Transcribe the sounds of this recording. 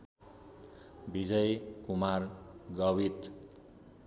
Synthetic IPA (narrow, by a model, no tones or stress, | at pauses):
bid͡zʌjkumarɡʌwit̪